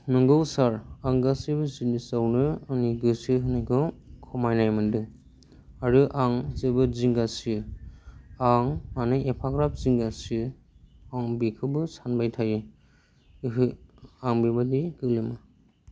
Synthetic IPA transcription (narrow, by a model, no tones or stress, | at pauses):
nɯŋɡɯwsaɾaŋɡasibɯzinisawnɯːniɡɯsɯɦɯnakʰɯkʰɔmajnajmɯndɯŋ | aɾɯʔaŋzɯbɯziŋɡasɯ | aŋmanɯjepʰaɡɾap̚ziŋɡasɯ | aŋbikʰɯbɯsanbajtʰajɯ | ɦɯaŋbibadiɡɯlɯma